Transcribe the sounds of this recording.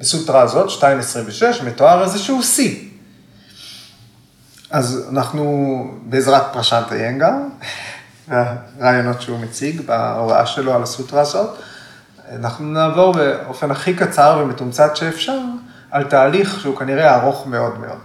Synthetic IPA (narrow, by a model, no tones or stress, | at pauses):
besultʁazo̞tʃtaimesʁimveʃe̞ʃmeto̞aʁezeʃeuosi | aza̰naχnubeːzʁat̚pʁaʃant̪a̰jenɡam | aʁaːjo̞no̞tʃeumet͡siɡba̰ova̰ʔa̰ʃe̞loalasultʁaːzo̞t | anaχnunaːvo̞ʁbeo̞fe̞naχikat͡saʁvemetumt͡satʃeːfʃaʁ | altaːliχʃeukaniʁeaʁo̞χme̞o̞dme̞ʔo̞̰d̥